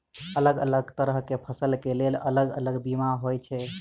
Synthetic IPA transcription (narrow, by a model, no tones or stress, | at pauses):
ələɡə̰ləɡt̪əɾəɦkepʰəsəlkelelələɡə̰ləɡbimaɦojt͡ʃʰɛ